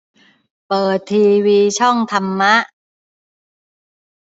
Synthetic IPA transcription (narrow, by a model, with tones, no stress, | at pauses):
pɤː˨˩t̪ʰːiː˧wiː˧t͡ɕʰɔ˥˩ŋt̪ʰa˧mːa˦˥ʔ